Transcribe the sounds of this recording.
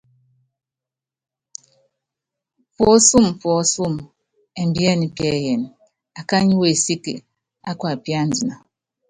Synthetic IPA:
fɔ˨˦su˦˨mfɔ˨˦su˦˨m | e˨m̩˦bi˦ɛ˦ni˨pjɛ˨˦˨jɛ˨n˨ | a˨ka˦ɲi˦we˨si˦kḛ˨ | a˦kwa˨pja˦˨n̩˨di˨na˨

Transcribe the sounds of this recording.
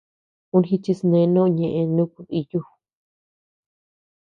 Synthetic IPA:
ũ˦nxi˧t͡ʃi˧snẽ˧˦nõ˦˧ɲẽ˧ʔẽ˧nũ˦˧ku˧ði˧ju˦˨

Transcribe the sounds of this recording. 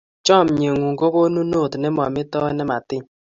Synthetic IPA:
t͡ʃɔ˦˨m̩˨ɲe˨ŋʷu˨ŋ̩˨ɡo˦ko˦nu˦no˦˨tnɪ˦m˦ɔ̰˨mɪ˦tɔ˦e˦nɪ˦ma˨tɪ˦

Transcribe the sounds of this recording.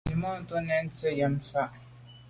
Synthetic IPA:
i˨mɔ˦˨n˦to˦nɛ˨n̩˦t͡sə˦jɛ˨m˨fa˦˨ʔ

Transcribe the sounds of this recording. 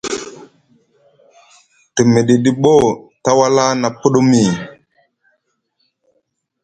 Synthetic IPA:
tə˨me˨ɗi˨ɗi˨ɓo˦˨ta˦wa˦la˦na˨pu˦ɗo˦mi˨

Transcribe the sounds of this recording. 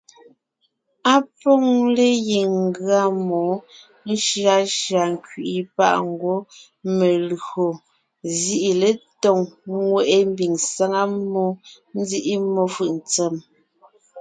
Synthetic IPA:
a˦pɔ˦ŋle˦ji˨ŋ̩˦ɡɰa˦mɔ˨˦ | n̩˦ʃja˦ʃa˨ŋ˨kɥi˨ʔi˦pa̰˦ʔŋ̩˦ɡwo˦ | me˨lɰo˨ | zi˦ʔi˨le˦tɔ˨ŋŋwɛ˦˨ʔe˦m˦bi˨ŋsa˦ŋa˦mːɔ˦ | n̩˦d͡zi˦ʔi˦mːɔ˦fɯ˨ʔn̩˨t͡sɛ˦˨m

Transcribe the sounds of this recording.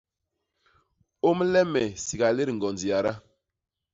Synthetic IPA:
o˦m˦lɛ˦mɛ˨si˨ɡa˨le˦ɾŋ̩˨ɡɔ˨nd͡zi˨a˨ɾa˦

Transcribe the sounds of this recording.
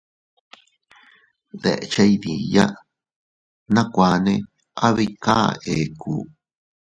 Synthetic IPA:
ðḛ˨ʔe˧t͡ʃa˦i˧ði˨ja˦ | nã˦kʷa˧nẽ˦˧ | a˦βi˧˦ka˦e˨kʰu˨˦

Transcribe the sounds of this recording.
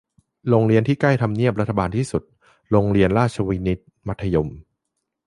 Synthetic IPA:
ɾoː˧ŋɾi˧ənt̪ʰiː˥˩kla˥˩jt̪ʰa˧mni˥˩əp̚ɾa˦˥t̪ʰːa˧baː˧nt̪ʰiː˥˩su˨˩t̪̚ | ɾoː˧ŋɾi˧ənɾaː˥˩t͡ɕʰa˧wiː˦˥ni˦˥t̪̚ma˦˥t̪ʰːa˧jo˧m

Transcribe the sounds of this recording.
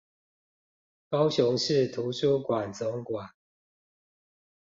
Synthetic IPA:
kɑ˦ʊɕʊ˨˦ŋʂɻ̩˥˨t̪ʰu˨˦ʂʰu˦kwa˨˩nt͡sʊ˨˦ŋkwa˨˩n

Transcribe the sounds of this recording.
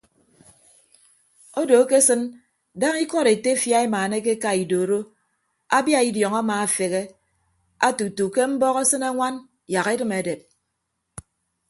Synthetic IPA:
o˦do˨˦ke˦sɨ˦n | da˦ŋi˦kɔ˦ɾe˨te˦fja˦e˦maː˨ne˦k̬e˦ka˨i˨do˨ɾo˦ | a˦bja˦i˦djɔ˨ŋa˦maː˨a˨fe˨ɣe˦ | a˦tu˨tu˨ke˦m̩˦bɔ˦ɣe˦sɨ˦ne˦ŋʷa˦n | ja˨ɣe˦dɨ˦me˨de˨p̚

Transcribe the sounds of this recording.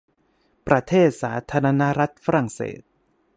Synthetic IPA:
pɾa˧t̪ʰeː˥˩t̪̚saː˩˦t̪ʰaː˧ɾa˧na˦˥ɾa˦˥t̪̚fa˦˥ɾa˨˩ŋsḛː˨˩t̪̚

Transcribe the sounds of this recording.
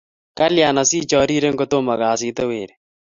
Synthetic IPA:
ka˦lja˨na˨si˦t͡ʃɔ˨ɾi˦ɾe˦ŋɡo˦to˦ma˨kaː˨s̬ɪ˦te˦weː˨ɾe˨

